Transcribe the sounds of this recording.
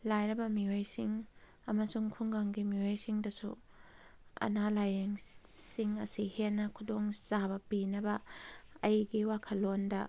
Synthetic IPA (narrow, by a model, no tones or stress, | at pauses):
lajɾɐbɐmiojsiŋ | ɐmɐsuŋkʰuŋɡaŋɡimiojsiŋdɐsṵ | ɐ̰nalajeŋsiŋɐ̰sihenːɐkʰudoŋz̥abɐpinɐbɐɐjɡiwakʰɐlːondɐ